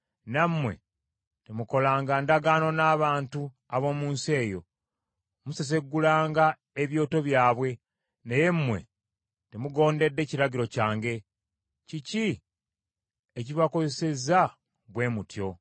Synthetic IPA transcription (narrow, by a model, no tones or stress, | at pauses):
namːwe̞̰ | temuko̞laːŋɡandaɡaːno̞naːβaːntu | aβo̞ːmuːnsie̞ːjo̞̰ | muses̬e̞ɡːulaːŋɡa | eβjo̞ːto̞βjaːβwe̞ | neje̞mmːwe̞̰ | temuɡo̞ːnde̞dːe̞ːciɾaɟiɾo̞caːŋɡe̞ | cici | eciβako̞zese̞za | βwe̞ːmutjo̞